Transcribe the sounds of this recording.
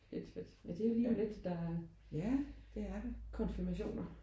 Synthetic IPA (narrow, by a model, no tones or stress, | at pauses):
led̥fed̥jæd̥e̝æliːɒmle̝d̥d̥ɑ | jæd̥e̝æɐd̥ekʰɒ̽nfiɐmæɕo̝̰ːnɐ